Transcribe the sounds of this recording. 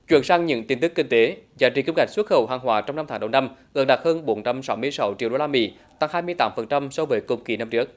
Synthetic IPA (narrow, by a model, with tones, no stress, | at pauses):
t͡ɕwḭ˧˩ənsaː˧ŋɲɨ̰˧˥ŋt̪i˧nt̪ɨ˦˥k̚ːï˧ŋ̟t̪e˨˦zaː˨˦jt͡ɕi˨˩ki˧ŋ͡mka˨˩ŋswə˦˥t̚xə̰˧˩wɦaː˨˩ŋɦwaː˨˩t͡ɕɔ˧wŋ͡mna˧mt̪aː˨˦ɗə˨˧˩wna˧mɣɨ̰˧˩ɗa˨˩həː˧nɓo˨˦nt͡ɕa˧msa˨˦wmɨ˧əjsa˨˦wt͡ɕi˧˨ɗo˧laː˧mḭ˧˥ | t̪a˧ŋhaː˧jmɨ˧əjt̪aː˨˦mfə˨˩nt͡ɕa˧msɔ˧vəː˨˦jkʊ̰˨˩ŋ͡mki˧˩na˧mt͡ɕɨ˦˥ək̚